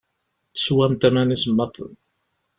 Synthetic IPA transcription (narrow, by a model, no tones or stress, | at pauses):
θə̥swæmt̪æmænismːət̪ˤn